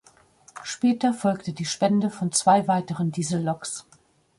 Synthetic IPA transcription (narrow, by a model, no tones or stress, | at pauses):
ʃpɛːtɐfɔlktədiːʃpɛndəfɔnt͡sv̥aɪvaɪtəʁəndiːzl̩lɔks